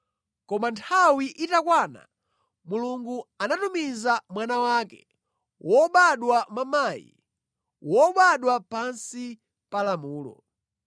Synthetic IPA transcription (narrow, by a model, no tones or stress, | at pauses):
kɔmantʰawiʔitakwaːna̰ | muluŋɡuanatumizamwanawaːkɛ̰ | wɔɓaɗwamamaːjḭ | wɔɓaɗwapansi | palamuːlɔ̰